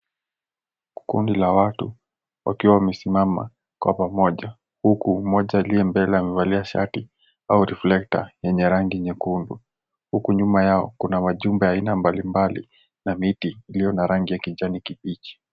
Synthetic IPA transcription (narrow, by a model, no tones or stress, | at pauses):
kṵndilawatu | wʔa̰kiwawamɛsimama̰ | kwa̰pamɔʄa | hukumɔʄaːliɛmbɛlɛamɛvaliaʃa̰ti | auɾɛflɛk̚ta̰jɛɲɛɾaŋɡiɛɲɛkundu | hukuɲumajaɔ̰kunamaʄumbɛjaːinambalimbalḭ | namitiːlijɔnaɾaŋɡijakiʄanikipit͡ʃi̥